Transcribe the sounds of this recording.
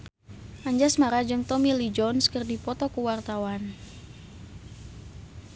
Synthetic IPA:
ʔaɲd͡ʒasmaɾad͡ʒɨŋt̪ɔmilid͡ʒɔnskərdipɔt̪ɔkuwart̪awan

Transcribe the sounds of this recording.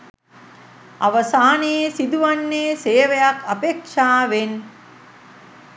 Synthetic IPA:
ɐ̰ʋɐsaːneːsid̪uʋɐnːeːseːʋɐjɐkɐpeːkʂaːʋen

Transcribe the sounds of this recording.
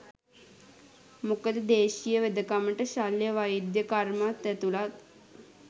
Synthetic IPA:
mukəd̪əd̪eːʃijəʋed̪əkaməʈəʃaljəʋajid̪jəkarmat̪ːæt̪ulat̪̚

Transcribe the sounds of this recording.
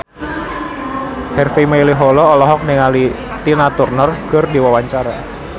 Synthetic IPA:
hɛrfimailiɦɔlɔːlɔɦɔk̚niŋali | t̪inat̪urnɔrkərdiwawaɲt͡ʃaɾa

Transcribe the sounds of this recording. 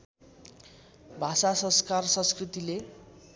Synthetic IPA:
bʱasasʌ̃nskarsʌ̃nskrit̪ile

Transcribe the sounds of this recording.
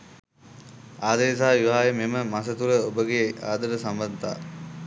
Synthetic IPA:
aːd̪əes̬aːʋiʋaːjememəmasət̪uɾəobəɡeaːd̪ɐɾəsambant̪a̰ː

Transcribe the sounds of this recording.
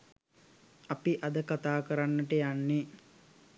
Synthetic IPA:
apiʔad̪əkat̪aːkəɾanːəʈəjanːe

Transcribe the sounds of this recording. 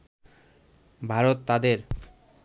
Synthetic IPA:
bʱaɾot̪ːad̪eɾ

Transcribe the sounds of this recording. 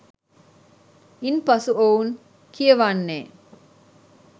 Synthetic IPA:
inpɐsuoun | kijəʋanːeː

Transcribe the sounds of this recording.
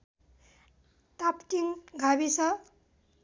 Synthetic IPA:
t̪apʈiŋɡʱabisʌ

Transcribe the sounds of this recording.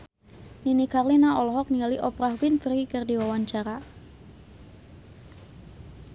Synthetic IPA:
ninikarlinaɔlɔɦɔk̚nialiʔɔpɾahwɪnfərikərdiwawaɲt͡ʃaɾa

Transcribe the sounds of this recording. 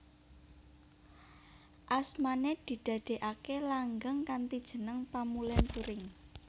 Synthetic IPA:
ʔasmaned̪̥i̤d̪̥ä̤d̪̥e̤ʔakelaŋɡəŋkant̪id̥ʒ̥ə̤nəŋpamulɛnt̪uɾɪŋ

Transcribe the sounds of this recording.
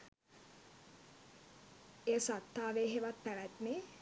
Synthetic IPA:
eəsat̪ːaːʋeːɦeʋat̪̚pæʋæt̪ne

